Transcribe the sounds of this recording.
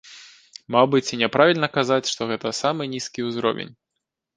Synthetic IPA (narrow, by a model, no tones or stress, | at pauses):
mawbɨt͡sʲinʲɛpɾavʲilʲnɐkazat͡sʲʂt̪ɔɣɛt̪ɐsamɨnʲiskʲiuzɾɔ̰vʲḛnʲ